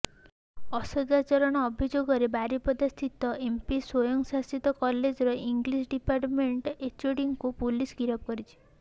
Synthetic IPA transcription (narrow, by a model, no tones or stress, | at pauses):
ɔsɔd̪at͡ʃɔɾɔɽ̃ɔːbʱid͡ʒoɡɔɾebaɾipɔd̪ast̪ʰit̪ɔʔempiswojɔŋsasit̪ɔkɔled͡ʒɔɾɔiŋɡlisɖipaɾʈmeɳʈet͡ʃuɽiŋkupulisɡiɾɔb̚kɔɾit͡ʃʰi̥